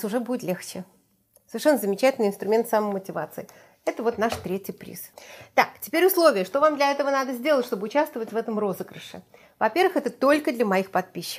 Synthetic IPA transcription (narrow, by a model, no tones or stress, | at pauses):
sʊʐɛbudʲɪt̪lʲext͡ɕɪ | səvʲɪrʂɛnːəzəmʲɪt͡ɕætʲɪlʲnɨɪnst̪ɾʊmʲe̞nt̪saməjmətʲɪvat̪sɨɪ | ɛt̪əvo̞t̪naʂt̪ɾʲetʲɪjpɾʲḭst̪aktʲɪ̥pʲeɾʲʊslˠo̞vʲɪjəʂt̪o̞vamd̪lʲɐɛt̪əvənad̪əzʲdʲe̞lˠətʲʂt̪o̞bɨʊt͡ɕast̪vəvətʲvɛt̪əmro̞zɨɡɾɨʂɨ̰ | vɐpʲe̞ɾvɨxɛt̪ət̪olʲkəd̪lʲəmɐixpɐt̪̚pʲiɕːɪ̥